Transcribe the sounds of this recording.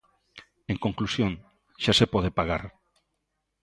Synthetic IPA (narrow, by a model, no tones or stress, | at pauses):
eŋkoŋklusjõŋ | ʃasepɔðepaɣ̞a̰ɾ